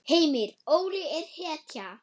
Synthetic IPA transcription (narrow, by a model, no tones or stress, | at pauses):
heːjmɪɾoːwɾɪɛɾ̥hɛːt̪ja